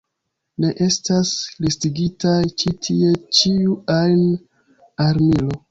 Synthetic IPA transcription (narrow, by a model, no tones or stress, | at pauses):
ne̞ʔe̞staslistiɡitajt͡ʃitʰie̞t͡ʃiuajn | aɾmilo̞